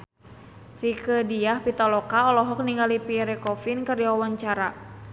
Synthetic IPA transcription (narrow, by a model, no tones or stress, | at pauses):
rikədiahpit̪ɔlɔkaɔlɔɦɔk̚niŋɡalipiɾɛkɔfinkəriwawaɲt͡ʃaɾa